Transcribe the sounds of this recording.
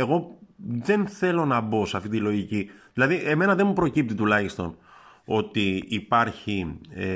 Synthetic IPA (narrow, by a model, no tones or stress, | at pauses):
e̞ɣo̞ðe̞nθe̞lo̞nɐbo̞sɐft̪it̪ilo̞ʝiciðilɐðiʔe̞me̞nɐðe̞nmupɾo̞cip̚t̪it̪ulɐçist̪o̞n | o̞t̪iːpɐɾçi